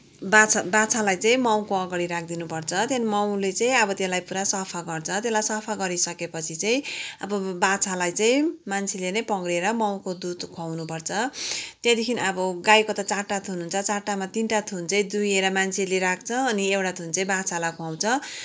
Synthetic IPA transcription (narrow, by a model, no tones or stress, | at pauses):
bat͡sʰbat͡sʰalajt͡saĩmaw̃koʌɡaɽiɾak̚ʰd̪inupʌrt͡sʰʌt̪enmʌw̃let͡saj̃ʌbʌt̪jelajpuɾasʌpʰaɡʌrt͡sʰʌt̪elajsʌpʰaɡʌɾisʌkepʌt͡sʰit͡saj̃ʌbʌbat͡sʰalajt͡sajĩmant͡sʰelenʌjpʌŋɽeɾʌmaw̃kod̪ud̪kʰawnupʌrt͡sʰʌt̪jed̪ikʰinʌbʌɡajkot̪ʌt͡saʈːat̪ʰununt͡sʰʌt͡saʈːamat̪inʈat̪ʰunt͡saĩd̪ujeɾʌmant͡sʰeleɾak̚ʰt͡sʰʌːniewʈat̪ʰunt͡sʌĩbat͡sʰalakʰuaw̃t͡sʰʌ